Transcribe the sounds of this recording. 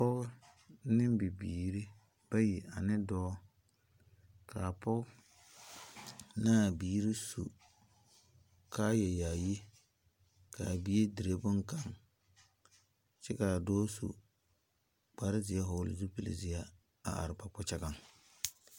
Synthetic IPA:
pʊ˦ɣʊ˦ | nɪ˦mbɪ˨biː˨ɾɪ˦ | b̥a˦ji˨ʔa˨nɪ˦dɔː˦ | kʰa˨pʊ˦k | naː˦˨biː˦ɾɪ˦sṵ˨ | kʰa˦jɛ˨jaː˨je˦ | ka˨bi˦e˦di˨ɾe˦bʊ˦ŋka˦˨ŋ | t͡ʃɛ˦ka˨dɔː˦sṵ˨ | k͡pa˨ɾɪ˦zɪ˨a˦ɦʊ˨˦lɪ̰˨zu˦pi˨lɪ̰˨zɪ˨a˦ | a̰˨a̰˨ɾɪ˨pa˨pɔ˦t͡ʃɛ˦ɡa˦ŋ

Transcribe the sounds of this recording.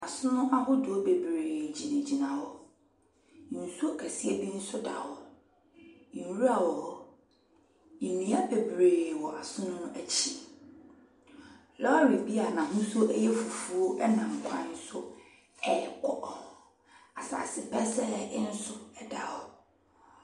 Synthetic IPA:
a˨sʊ̃˦nʊ̃˦ʔa˦ɦʊ˦dʊ˨ɔ˦be˨bɾeː˨d͡ʑi˨nẽ˨d͡ʑi˨nã˨wɔ˨˦ | n̩˨su˦o˦kʰæ˨si˦e˦bi˦n̩˦sʊ˦da̰˨hɔ˨ | ɾu˦a˦˨wɔ˨ | i˨nĩ˨˦a˦pʰe˨bɾeː˨wɔ˨ʔa˨sʊ̃˦nʊ̃˦nʊ̃˦ʔæ˦t͡ɕʰi˦ | lɔ˦a˦ɾi˨bi˦a˨nã˨hʊ̃˦so˦ʔɛ˦jɛ˦fu˨fu˨˦ʔɛ˦nã˨m̩˨kʷʰã̰˨˦n̩˦sʊ˦ | ɛ˨kʰɔ˦ | a˨sa̰˨sɪ˨pʰɛ˦sɛ˦ɪ˦n̩˦sʊ˦ɛ˦da˨hɔ˨

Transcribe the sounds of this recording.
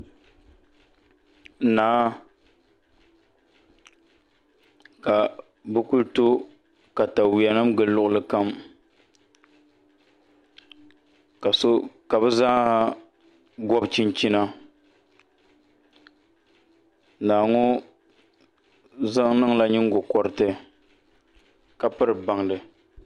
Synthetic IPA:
naː˨˦ | ka˨ | bɨ˦ku˦lto˦ | ka˨ta˨wi˨a˨nɨ˦mɡɨ˨llʊ˦ʔʊ˦lɨ˨ka˦m | ka˨so˦ka˨bɨ˦zaː˦ha˦ | ɡɔ˦bt͡ʃi˦nt͡ʃi˦na˦ | naː˨ŋɔ˦ | za˦ŋnɨ˦ŋla˦ɲɪ˦ŋ˦ɡʊ˨kɔ˦ɾɨ˦tɨ˦ | ka˦pɨ˦ɾɨ˨ba˨ŋdɨ˨

